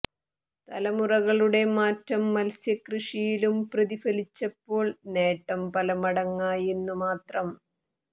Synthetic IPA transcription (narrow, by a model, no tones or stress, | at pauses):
t̪ɐlɐmurɐɣɐɭuɽe̞maːtɾɐmːɐlsjɐkrɨʂijilumprɐðifɐlit͡ɕːɐpːo̞ːɭne̞ːʈːɐmpɐlɐmɐɽɐŋːaːje̞nːumaːt̪rɐm